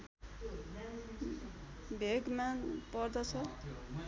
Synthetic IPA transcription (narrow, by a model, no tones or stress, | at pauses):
bʱeɡmanpʌrd̪ʌt͡sʰʌ